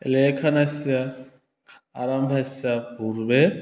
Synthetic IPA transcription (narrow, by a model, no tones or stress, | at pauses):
ɛ̰lɛkʰanasia | kʰ | a̰ɾambʰasiabuɾbɛ